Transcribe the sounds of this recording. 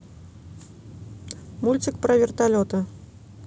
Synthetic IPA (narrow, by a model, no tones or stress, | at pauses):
mulʲt͡sʲikpɾɐvʲɪrt̪alʲɔt̪ɨ